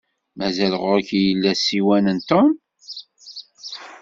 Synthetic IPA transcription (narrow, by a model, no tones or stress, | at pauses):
mæzælʁʊækijəlːæsiwænənt̪om